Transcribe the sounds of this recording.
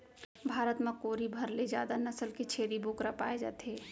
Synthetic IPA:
bʱaːɾət̪mẽkoːɾibʱɐɾled͡ʒjaːd̪anəsəlket͡ʃʰeːɾiboːkɾapaːed͡ʒa̰ːt̪ɦeː

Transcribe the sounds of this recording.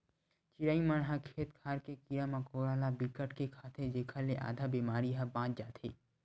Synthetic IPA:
t͡ʃɪɾaːimənɦãkʰeːt̪kʰaːɾkekijamɐkoːɾaːlabikəʈkekʰaːt̪ʰed͡ʒeːkʰaleʔa̰ːd̪ʱabiːmaːɾiɦãbãːt͡ʃd͡ʒaːt̪ʰḛː

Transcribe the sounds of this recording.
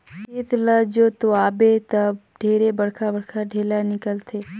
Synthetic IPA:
eːt̪lad͡ʒot̪oaːbet̪əb | ɖʱeːɾebəɽkʰabəɽkʰaɖʱeːlanɪkəlt̪ʰeː

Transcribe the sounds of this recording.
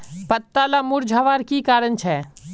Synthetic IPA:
pət̪ːalamʊɾd͡ʒʱaːʋaːɾkikaːɾənt͡ʃʰɛː

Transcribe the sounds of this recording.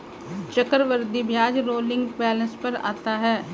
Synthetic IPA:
t͡ʃəkəɾʋəɾd̪ibjaːd͡ʒɾoːlɪ̃ŋɡpɛːlə̃spəɾa̰ːt̪aɦɛː

